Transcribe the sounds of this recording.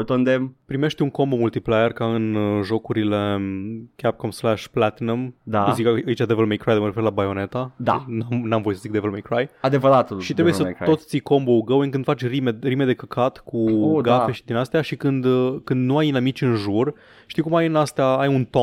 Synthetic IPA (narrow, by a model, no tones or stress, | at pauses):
t̪ond̪empɾime̞ʃt̪ʲuŋko̞mbomult̪iplajerkaɨnʒo̞kuɾile̞kʲap̚komslæʃplat̪inamd̪azikaait͡ʃad̪evelmejkɾajd̪eməɾeferlabajone̞t̪ad̪a̰namnamvojisəzik̚d̪evelmejkɾajad̪evəɾat̪ʃit̪ɾebujesəosʲt̪sijko̞mbouɡəwəŋk̬ɨnd̪fat͡ʃʲrimerime̞d̪e̞kəkʰat̪kʰuoɡafe̞ʃid̪inast̪eaʃikɨnd̪kɨnd̪nuajnamit͡ʃʲɨnʒur | ʃt̪iwkumajɨnast̪eaajunt̪o